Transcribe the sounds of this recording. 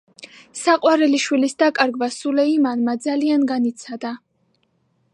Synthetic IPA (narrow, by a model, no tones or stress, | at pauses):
saqʼwaɾɛliʃwilisd̪akʼaɾɡvasulɛimanmad̪zalianɡanit̪sʰad̪a